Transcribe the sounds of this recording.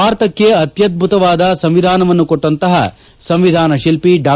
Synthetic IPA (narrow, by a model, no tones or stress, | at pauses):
aːɾt̪ɐkːe̞ɐt̪jɐd̪̚bʱut̪ɐʋaːd̪ɐsɐmʋid̪ʱaːnɐʋɐnːukoʈːɐnt̪ɐɦɐ̰ | sɐmʋid̪ʱaːnɐʃilpiɖaː